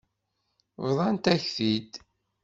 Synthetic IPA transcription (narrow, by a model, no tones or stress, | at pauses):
wðˤɑnt̪æçθid̪